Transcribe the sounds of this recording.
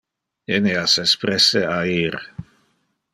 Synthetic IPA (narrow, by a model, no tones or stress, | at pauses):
eneasespɾɛseaiɾ